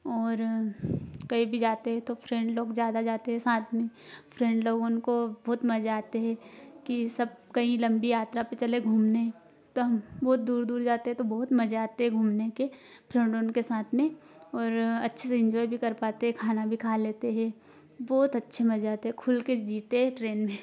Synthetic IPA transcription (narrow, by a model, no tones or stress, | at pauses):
ɔːɾ | kɐibʱid͡ʒaːt̪eɦɛ̃t̪opʰɾɛ̃ɳɖloːɡzjaːd̪ad͡ʒaːt̪eɦɛsaːt̪ʰmẽpʰɾɛ̃ːɳɖloːɡʊnkobɔːt̪mɐd͡ʒaːt̪eɦɛ̃kisɐb̚kɐĩlɐ̃mbijaːt̪ɾapet͡ʃɐleɡʱuːmneɦɛ̃ | t̪oɦɐmbɔːt̪̚d̪uːɾd̪uːɾd͡ʒaːt̪eɦɛt̪obɔːʊt̪mɐd͡ʒaːt̪eɦɛɡʱuːmnekepʰɾɛ̃ɳɖʊnkesaːt̪ʰmẽɔːɾɐtːʃʰeseɪ̃ɲd͡ʒɔːibʱikɐɾpaːt̪eɦɛkʰaːnabʱikʰaːleːt̪eɦɛ̃ | bɔːt̪ɐtːʃʰemɐd͡ʒaːt̪eɦɛkʰʊlked͡ʒiːt̪eɦɛʈɾeːnmẽ